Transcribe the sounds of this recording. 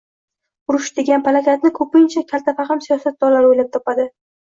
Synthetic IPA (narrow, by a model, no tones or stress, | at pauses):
ʊɾʊʃd̪eɡʲanpʰalakʲʰat̪nɪkʰɵpɪnt͡ʃʰakʲʰalt̪ʰafaχamsijɒsat̪̚d̪ɒɾlaɾojlap̚t̪ʰɒpad̪ɪ